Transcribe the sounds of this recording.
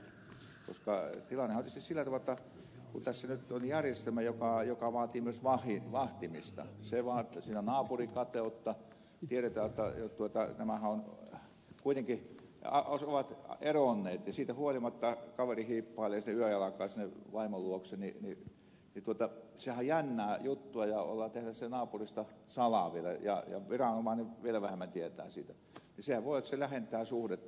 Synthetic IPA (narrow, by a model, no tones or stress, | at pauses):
ko̰skɑt̪ilɑnːˑehɑot̪ːist̪issilːæt̪ɑʋɑjot̪ːɑ | kunt̪æsːænyt̪onjærjest̪æmæjokɑjokɑʋɑːt̪iːmyøsʋɑhiʋɑht̪imist̪ɑ̰seʋɑːt̪siːnænɑːpurikɑt̪eˑut̪ːɑ | t̪ieɾet̪æːjot̪ːɑ̰jot̪uot̪ɑnæmæhæon | kuit̪eŋkiɑ̰osoʋɑt̪eronːeːt̪jɑsiːt̪æhuolimɑt̪ːɑkɑʋerihiːpːɑˑelːˑeːɑsinːeyøjjɑlɑkɑˑːsinːeʋɑimoluoksenini | nit̪uot̪ɑsehæjjænːæːjut̪ːuɑjɑo̰lːɑt̪ehnæssenɑːpurist̪ɑsɑlɑʋielæ̰jɑ̰jɑ̰ʋirɑnomɑniʋielæʋæhemːˑænt̪iet̪æ̰ːsiːt̪æ | nisehæʋʋoˑijot̪ːselæhent̪æːsuhdet̪ː